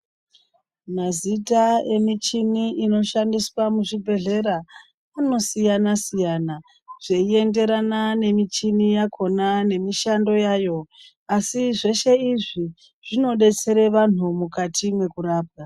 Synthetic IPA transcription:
mazitae̞mit͡ʃiniino̞ʃandiswamuʐibʱe̞ɮe̞ɾaː | no̞sijanasijana | ʐ̥e̞ie̞nde̞ɾanane̞mit͡ʃinijakʰo̞nane̞miʃando̞jaːjo̞ | asiʐe̞ʃe̞iʐi | ʐ̥ino̞ɗe̞t͡se̞ɾe̞ʋan̤umukatʰimwe̞kuraːp̚a

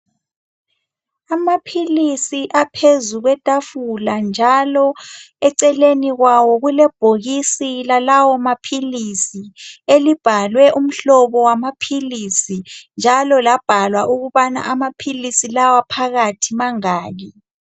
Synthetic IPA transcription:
amapʰilisiʔapʰezuɣwɛtʼafuland͡ʒʱalɔ | ɛǀɛleniɣwawɔɣulɛb̥ʱoɣisilalawɔmapʰilisielib̥ʱalwɛʔum̩ɬɔβɔwamapʰilisind͡ʒʱalɔlab̥ʱalwaʔuɣuβana̰ʔamapʰilisilawapʰaɣatʰimaŋaːɣi

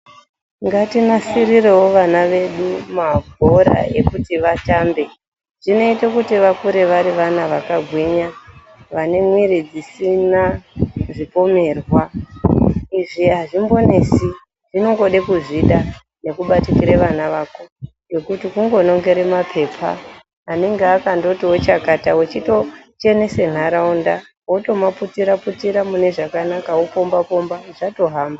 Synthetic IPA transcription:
ŋɡatinasirirewoʋanaʋe̞ɗumabʱo̞ɾa̰ʔekutiʋataːmbe̞ | ʐ̥ino̞itekutiʋakuɾeʋaɾiʋanaʋakaɡʱwiɲa | ʋane̞mwiɾid͡zisinaʐipo̞me̞ːrwa | iʐiɦaʐimbo̞ne̞si | ʐino̞ŋɡo̞ɗekuʐiɗa | ne̞kuɓatikiɾeʋanaʋaːko̞ | jokutikuŋɡo̞no̞ŋɡe̞ɾe̞mapʰe̞ːpʰa̰ː | neŋɡeakando̞tiwo̞t͡ʃakatawet͡ʃito̞t͡ʃe̞ne̞se̞n̤aɾaunda | woto̞maputiɾaputiɾamune̞ʐakanakaopo̞mbapo̞mbaʐ̥ato̞ɦaːmba

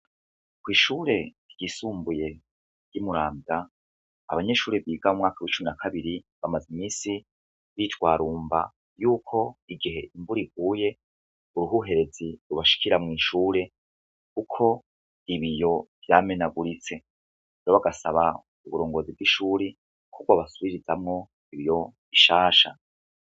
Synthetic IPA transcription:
kwiːʃuːɾe̞ɾɟisuːmbuje̞ | ɾjimuɾaːmda | a̰βaɲe̞ʃuːɾeβiːɡamumŋaːkawit͡ʃuminakʰaβiɾiβamazimiːsi | βitwaːɾuːmba̰ | juːkʰo̞iɡiɦe̞ʔimbuɾiɡ̚uːje̞ | uɾuɦuɦe̞ɾe̞d͡zziɾuβaʃi̥kiɾamŋiːʃuːɾe̞ | kukʰo̞ | iβijo̞v̥jaːme̞naɡuɾit͡se̞ | ɾoβaɡasaβa | uβuɾo̞ːŋɡo̞zib̚ɡiʃuːɾe | kʰukwaβasuβiɾizamŋo̞ | iβijo̞βiʃaːʃa̰

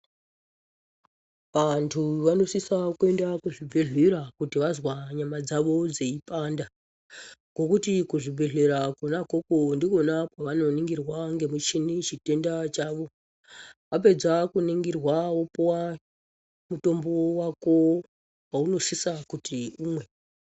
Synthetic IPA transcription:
ʋantʰuʋano̞sisakue̞ndakuʐibʱeɮiɾakutiʋazwaɲamad͡zaʋo̞d͡zeipanda | ɡo̞kutikuʐibʱeɮeɾakunakokondiko̞nakwaʋano̞niŋɡirwaŋɡe̞mut͡ʃinit͡ʃite̞ndat͡ʃaːʋo̞ | ʋap̬e̞d͡zakuniŋɡirwaopwa | muto̞mbowako̞ | wauno̞sisakutʰiuːmwe̞

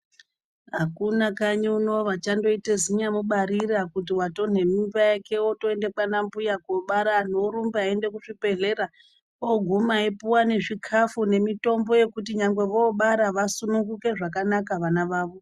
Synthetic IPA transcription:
ɦakunakaɲiuno̞ʋat͡ʃando̞iteziɲamuɓaɾiɾakut̬iwato̞n̤e̞mimbajake̞oto̞e̞nde̞kanambujakoɓaɾaːn̤o̞ɾumbaaende̞kuʐipe̞ɮe̞ɾa | oɡʱumaepuwane̞ʐikʰafune̞mito̞mbo̞je̞kut̬iɲaŋɡwe̞ʋo̞ɓaɾaʋasunuŋɡuke̞ʐakanakaʋanaʋaːʋo̞

